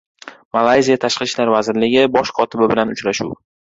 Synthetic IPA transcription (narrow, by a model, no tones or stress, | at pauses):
malˠajzijat̪ʰaʃqɨʃlaɾvazɪɾlɪɡʲɪbɒʃkʰɒt̪ʰɪbɪbɪlanʊt͡ʃɾaʃṵw